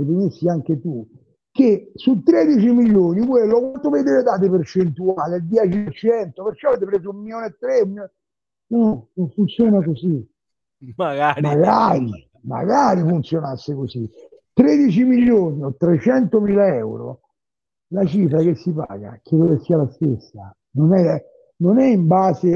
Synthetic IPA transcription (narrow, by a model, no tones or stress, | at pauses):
evenisːiaŋk̟et̪u | kesut̪ːɾed̪it͡ʃimiʎjːoːnikwelːokwant̪ovejd̪eved̪aːt̪̬epert͡ʃent̪uaːleld̪jɛːt͡ʃiert͡ʃɛnt̪opeɾkːɔavet̪epɾeːzoummːiljoːnet̪ːɾeumio | unonoɱfunt̪sjoːnakosi | ɡamaɡaːɾi | ma̰ɡaːɾifunt̪sjonasːekosi | t̪ɾed̪it͡ʃimiʎːoːniot̪ːɾet͡ʃɛnt̪omiːlaɛɛwɾo̰ | lat͡ʃifɾakesːipa̰ːɡa̰kɾed̪okesiːalast̪esːa̰ | nonɛ | nonɛimbaːse